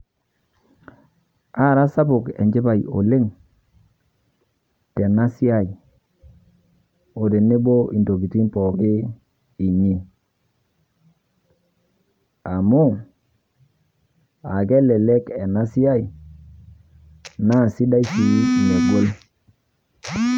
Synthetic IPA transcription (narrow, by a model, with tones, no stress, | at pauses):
a˦˨ɾa˦sa˦bʊ˨kḛ˨ɲd͡ʒɪ˦ba˨jo̰˨le˦ŋ | te˨na˦si˦a˨i˨ | o˨de˨ne˦bo˦ʔi˨ndo˨ki˨ti˦npɔ˨kɪ˦ | i˨ɲi˦n | a˨mʊ˦ | a˨ke˦le˨le˦ke˨na˦si˦a˦j | na˦˨si˦da˦i˦t͡ʃi˨˦˨ne˨ɡo˦l